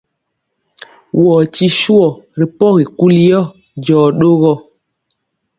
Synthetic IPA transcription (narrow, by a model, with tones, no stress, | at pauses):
wɔ˨t͡ʃi˦ʃu˦ɔ˨ɾi˨pɔ˦ɣi˨ku˦li˦jɔ˦ | d͡ʒɔː˨ɗo˦ɣɔ˦